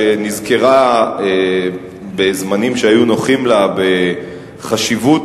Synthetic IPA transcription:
enizkeʁae | bezmanimʃeajuno̞χimlabe̞ | χaʃivu

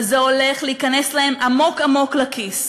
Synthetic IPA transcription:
zeo̞le̞χleikane̞slahe̞mʔamo̞kamo̞klakʰis

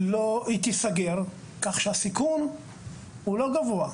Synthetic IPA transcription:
loit̪isaɡeʁ | kaχʃeasikun | huloɡavoa

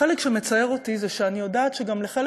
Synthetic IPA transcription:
elekʃeme̞t͡saeʁotizeʃeanijo̞daːt̪ʃeɡamleχel

